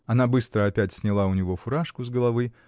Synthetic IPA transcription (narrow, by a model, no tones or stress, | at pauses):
ɐnabɨst̪ɾəapʲætʲsʲnʲɪlˠaʊnʲɪvɔfʊɾaʂkʊzɡəlˠavɨ